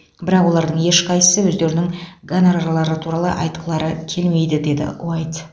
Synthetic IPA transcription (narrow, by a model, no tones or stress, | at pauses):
bɪɾɑqwo̞lˠɑɾd̪əɴje̞ʃqʰɑjə̥səwɵzd̪e̞ɾɪnɪŋɡanaɾaɾlˠɑɾət̪ʰuɾɑlˠə̰ʔɑjt̪̚qʰəlˠɑɾəkʲʰe̞lme̞jd̪ɪd̪e̞d̪ɪ̰ṵajt̪